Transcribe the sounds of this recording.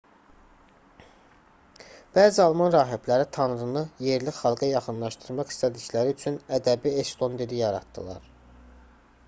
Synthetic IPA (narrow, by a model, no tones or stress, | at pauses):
b̥æːziɑlˠmɑnɾɑːɦep̪læɾit̪ʰɑnɾɯnɯje̞ɾliχɑlˠɡɑjɑχɯnlˠɑʃt̪ɯɾmɑχi̥st̪æd̪iclæɾiyt͡ʃʰynæd̪æbiest̪o̞nd̪eɾijɑɾɑ̰t̪d̪ɯ̰lˠɑ̰ɾ